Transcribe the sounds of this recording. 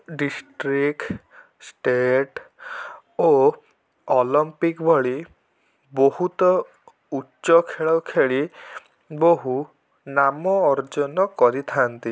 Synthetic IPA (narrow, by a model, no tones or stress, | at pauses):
ɖisʈɾik | sʈeʈ | o | ɔlɔmpikbʱɔɭi | boɦut̪ɔ | utːʃɔkʰeɭɔkʰeɭi | boɦu | namɔːɾd͡ʒɔnɔkɔɾit̪ʰant̪i